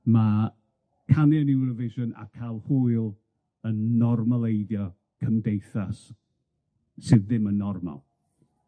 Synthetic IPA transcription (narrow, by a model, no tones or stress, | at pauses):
ma | kʰanjanɪwrəvɪʃɔna̰kʰalˠhuɨlˠ | ənːɔrmalˠejdjɔ | kʰəmdejθas | ɨðɪmənːɔrma̰lˠ